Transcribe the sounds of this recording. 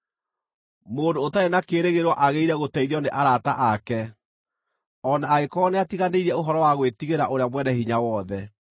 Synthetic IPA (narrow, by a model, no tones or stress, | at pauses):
moːndoːtaenakeːɾeɣeɾwɔʔaɣeiɾɛɣotɛiðiɔneʔaɾataʔakɛ | ɔnaːɣekɔneatiɣaneiɾɛoɦɔɾɔwaɣwetiɣeɾaʔoɾeamwɛnɛhiɲawɔðɛ